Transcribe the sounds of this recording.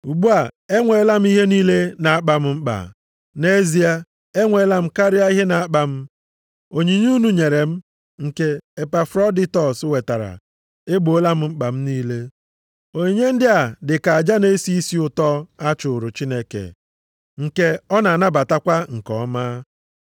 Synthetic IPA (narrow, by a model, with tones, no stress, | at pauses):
u˨ɡ͡bu˦a˨e˦ŋʷe˨˦la˦m̩˦i˦ɦe˦niː˦le˦na˨a˦k͡pa˨m̩˦m̩˦k͡pa̰˨ | ne˦zi˦a˦ | e˦ŋʷe˨˦la˦m̩˦ka˦ɾɪ˦a˦i˦ɦe˦na˨a˦k͡pa˦m̩˦ | o˨ɲi˨ɲ˦u˦nu˦ɲe˨ɾe˨m̩˦ | ŋ̩˨ke˦e˨pa˨fɾɔ˦di˦tɔ˨swe˨ta˨ɾa̰˨ | e˦ɡ͡bo˨o˦la˦m̩˦ŋ͡m̩˦k͡pa˨m̩˦niː˦le˦ | o˨ɲe˦n̩˦dɪ˦a˨dɪ˨ka˨a˨d͡ʒa˦ne˦si˦i˦si˦ʊ˦tɔ˦a˦t͡ʃʊ˨ɾʊ˨t͡ʃi˦ne˦kḛ˨ | ŋ̩˨ke˦ɔ˦na˨na˦ba˨ta˦kʷa˦ŋ̩˨kɔ̰˨˦ma˦